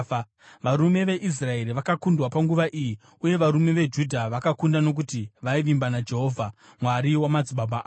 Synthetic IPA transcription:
ʋaɾume̞ʋe̞ʔis̬rae̞ɾiʋakakundwapaŋɡuʋaʔiji | uje̞ʋaɾume̞ʋe̞d͡ʒudʱaʋakakundano̞k̬utiʋaiʋimbanad͡ʒe̞ɦo̞ːvʱa | mwaɾiwamad͡zibʱabʱaaː

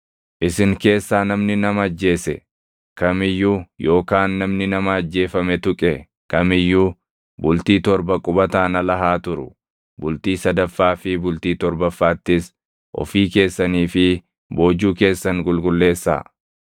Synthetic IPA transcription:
ʔɪsɪŋke̞ːsːaːnɐmnɪnɐmɐd͡ʒːe̞ːsɛ̰ | kɐmɪjːujo̞ːkaːnːɐmnɪnɐmɐːd͡ʒːe̞ːfɐmɛt̪ʊkʼɛ | kɐmɪjːu | bʊlt̪iːt̪ɔɾbɐkʼʊbɐt̪aːnɐlɐɦaːt̪ʊɾʊ̰ | bʊlt̪iːsɐd̪ɐfːaːfɪbʊlt̪iːt̪ɔɾbɐfːaːt̪ːɪs | ʔɔ̰fiːke̞ːsːɐniːfɪ | bo̞ːd͡ʒːuːke̞ːsːɐŋɡʊlɡʊlːe̞ːsːa̰ː

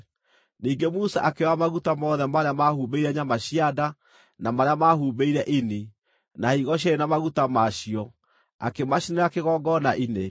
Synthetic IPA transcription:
niːŋɡemusaʔakewamaɣutamɔðɛmaɾeamahuːbeiɾɛɲamaɕiada | namaɾeamahuːbeiɾɛʔini | naiɣɔɕ̬eɾenamaɣutamaɕiɔ | a̰kemaɕineɾakeɣɔɡɔnaʔine

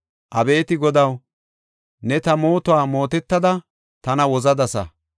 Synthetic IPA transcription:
ʔɐbe̞ːt̪ɪɡɔd̪ɐw | nɛt̪ɐmo̞ːt̪ʊaːmo̞ːt̪ɛt̪ːɐd̪ɐ | t̪ɐnɐwɔzɐd̪ɐsɐ̰

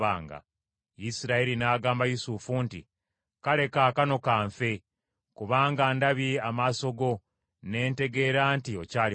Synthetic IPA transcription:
a̰ːŋɡa̰ | jisiɾaeɾinaːɡaːmbajusuːfuntḭ | kale̞kaːkano̞kaːɱfe̞ | kuβaːŋɡaːndaβiamaːso̞ɡo̞ | ne̞ːnte̞ɡe̞ːɾaːntio̞caːl

